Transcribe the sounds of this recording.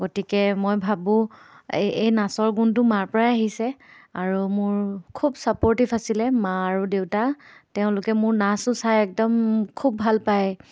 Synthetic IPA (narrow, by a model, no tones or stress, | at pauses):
ɡotikɛmojbʱabʊ̃ | ejnasɔɹɡuntʊmaɹpɔɹaaɦisɛaɹumʊɹkʰubsapɔɹtifʰasilɛmaaɹudewtatɛʊ̃lʊkɛmʊɹnasʊsajɛk̚dɔmkʰubːʱalpaj